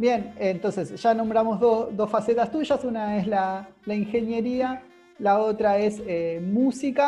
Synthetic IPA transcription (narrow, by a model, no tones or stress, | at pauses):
bje̞nent̪onse̞sʒ̥anõ̞mbɾamo̞zðosd̪o̞sfaset̪ast̪uʃasunae̞slalaiŋxe̞nje̞ɾia | lao̞t̪ɾae̞semusika